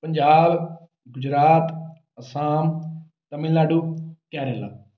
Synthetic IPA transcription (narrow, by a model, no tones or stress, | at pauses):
pəɲd͡ʒaːb | ɡʊd͡ʒɾaːt̪ | əsaːm | t̪əmɪlnaːɖuːkɛːɾeːla̰ː